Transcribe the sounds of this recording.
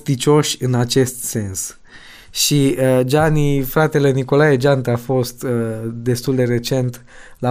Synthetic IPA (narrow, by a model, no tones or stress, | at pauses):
t̪it͡ʃo̞ʃʲɨnat͡ʃe̞st̪se̞ns | ʃiəd͡ʒanifɾat̪e̞le̞niko̞lajed͡ʒant̪afo̞st̪əd̪e̞st̪uld̪e̞re̞t͡ʃe̞nt̪ | la